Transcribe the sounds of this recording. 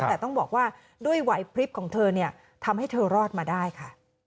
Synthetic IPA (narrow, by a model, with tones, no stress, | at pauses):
ɛː˨˩t̪ɔ˥˩ŋbɔː˨˩k̚waː˥˩ | du˥˩əjwa˩˦jpʰɾi˦˥p̚kʰɔː˩˦ŋt̪ʰɤː˧ni˥˩ɐ | t̪ʰa˧mha˥˩jt̪ʰɤː˧ɾɔː˥˩t̪̚maː˧daː˥˩jkʰa˥˩